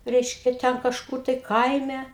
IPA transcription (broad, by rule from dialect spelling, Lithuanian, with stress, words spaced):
ˈrʲɛɪʃʲkʲɛ ˈtʲɛn kɐʃˈkʊr tɐɪ ˈkɐɪmʲɛ